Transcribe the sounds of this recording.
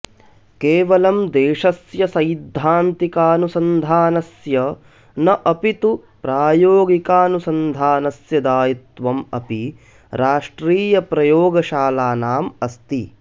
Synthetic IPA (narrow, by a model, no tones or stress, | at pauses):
keːʋɐlɐmd̪eːʂɐsjɐsɐjd̪ʱːaːnt̪ikaːnusɐnd̪ʱaːnɐsjɐ | nɐʔɐpit̪upɾaːjoːɡikaːnusɐnd̪ʱaːnɐsjɐd̪aːjit̪ʋɐmɐ̰pi | ɾaːʂʈɾiːjɐpɾɐjoːɡɐʃaːlaːnaːmɐst̪i